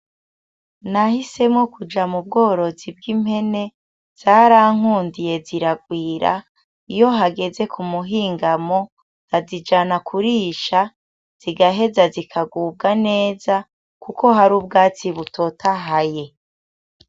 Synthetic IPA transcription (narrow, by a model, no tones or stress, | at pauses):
nahise̞mŋo̞kud͡ʒamub̚ɡo̞ːɾo̞zib̚ɡimhe̞ne̞ | z̥aːɾaːŋ̥uːndije̞ziɾaɡwiːɾa̰ | ijo̞ɦaɡe̞ze̞kʰumuɦiːŋɡamo̞̥ | azid͡ʒanakʰuɾiʃa | z̥iɡaɦe̞zazikʰaɡuːb̚ɡane̞ːza | kuko̞ɦaɾuːb̚ɡaːt͡siβutʰo̞taɦaje̞